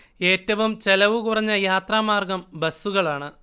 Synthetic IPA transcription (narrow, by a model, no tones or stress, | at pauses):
e̞ːtːɐʋumt͡ɕe̞lɐʋukurɐɲːɐjaːt̪raːmaːrɡɐmbɐsːuɣɐɭaːɳɨ